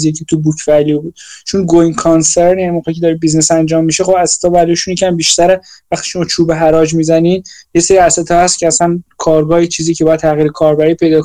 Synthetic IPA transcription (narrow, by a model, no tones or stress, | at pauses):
zijecʰet̪ʰubukʰvælijobuːd̪̥̚t͡ʃʰunɡojnkʰɑnseɾnjænimoɣecʰed̪ɒːɾebiznesænd͡ʒɒːmːiʃexo̞bæset̪ʰɒːvæɾliʃunjecʰʲæmbiʃt̪æɾevæxt̪i̥ːʃomɒt͡ʃʰuːbeɦæɾɒːd͡ʒmiːzæniːd̪jeseɾiæset̪ʰɒːhæst̪cʰeæsænkʰɒːɾɡɒːit͡ʃʰiːziːcʰebɒjæd̪̚t̪ʰæɣiːɾekʰɒːɾbæɾipʰe̞jd̪ɒːk